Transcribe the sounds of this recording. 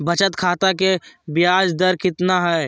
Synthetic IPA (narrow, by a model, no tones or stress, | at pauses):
bɐt͡ʃət̪kʰaːt̪akebɪjaːd͡ʒd̪əɾkɪt̪naɦɛː